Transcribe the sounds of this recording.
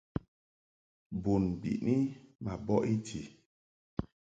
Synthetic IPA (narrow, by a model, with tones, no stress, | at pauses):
bu˨nbḭ˨ʔni˦ma˨bɔ˦ʔi˦ti˨